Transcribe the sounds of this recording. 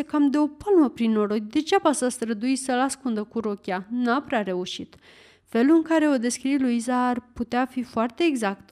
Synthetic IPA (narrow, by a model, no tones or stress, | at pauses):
ekamd̪e̞o̞palməpɾinːo̞ɾo̞d̪ʲd̪e̞t͡ʃeapasast̪ɾəd̪ujsəlaskund̪əkuɾo̞kʲanapɾeaɾe̞uʃit̪ | fe̞luɨŋkaɾe̞o̞d̪e̞skɾiluizaːrput̪eafifoart̪e̞ːɡzakt̪